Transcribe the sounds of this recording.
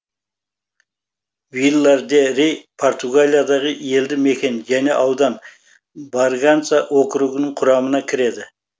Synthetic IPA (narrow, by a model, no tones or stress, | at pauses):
vilˠːɑɾd̪eɾejpʰo̞rt̪uɡalʲijad̪ɑʁəje̞ld̪ɪme̞kʲe̞nʒæne̞̰ʔɑwd̪ɑn | baɾɡant̪sɑʔwʔo̞qɾuɡɪnəɴqʰʊɾɑmənɑkʲʰɪɾe̞d̪ɪ